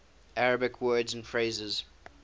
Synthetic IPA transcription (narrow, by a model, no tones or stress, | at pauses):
ʔæɹəbɪkʰwɜːdzə̃nfɹeɪzɪz̥